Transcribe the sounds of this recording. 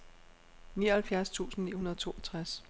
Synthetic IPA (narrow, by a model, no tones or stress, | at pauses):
nḭːɐhælfjæɐst͡sʰṵːsn̩nḭːhunɐðˠt͡sʰo̝̰ːʔɒt͡sʰʁas